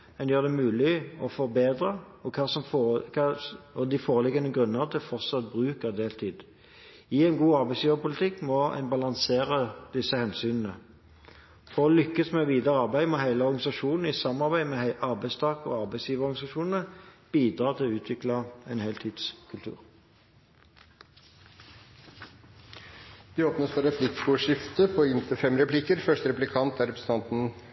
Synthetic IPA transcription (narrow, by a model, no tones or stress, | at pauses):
ɛnjøːd̪ɛmʉːlɪɔfɔʁbeːd̪ʁə | ɔkʰɑsɔmfkʰɑɔd̪ɪfoːʁəlɪɡɑnəɡʁʉnːəʁt̪ʰɪfɔʁt̪sɑt̪̚bʁʉːkəʁd̪eːlt̪ʰiːd̪ | ɪɛɪnɡuːɑɾbæɪsjiːʋəpʊlɪt̪ʰɪkːmɔɪ̰nbɑlɑŋseːɾəd̪̥ɪsːəhɛnsyːnnə | fɔlʏkːəsmɛʋiːd̪əʁəɑʁbæɪmɛhæɪləɔʁɡɑnɪsɑʃuːnn̩ɪsɑmːɑʁbæɪmɛɑʁbæɪst̪ʰɑːkɔ̰ːɑʁbæɪsjiːʋəɔɾɡɑnɪsɑʃuːnn̩əb̥iːd̪ʁɑːt̪ʰɪlʉːt̪ʰʋɪklɑɛnheːlt̪ʰiːd̪̥skʰʉlt̪ʰʉ̰ːʁ | d̪̥ɪoːpnəsfɔɾɛpʰlɪkɡuːʂɪft̪əpʰɔɪnt̪ʰəfɛmɾɛpʰlɪkəɾfœʂʈəɾɛplɪkʰɑnt̪æɾɛpɾəsn̩t̪ɑnt̪n̩